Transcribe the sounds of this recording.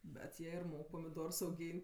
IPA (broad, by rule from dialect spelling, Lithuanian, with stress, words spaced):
bʲɛt ˈjiɛ ɪr ˈmoːk pɐmʲɪˈdoːrs ɐʊˈɡʲiːnʲtʲ